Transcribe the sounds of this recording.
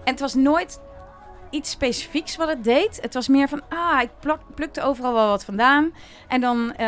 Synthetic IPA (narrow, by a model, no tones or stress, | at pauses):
ʔɛnətʋɑsnoːjt | itsːpejsi̥fiksʋɔtət̚dejtətʋɑsmɪəɹvɔnoːɪpløk̚təoːwvərɑlˠʋɛlˠʋɔtfɔndaːn | ʔɛndɔn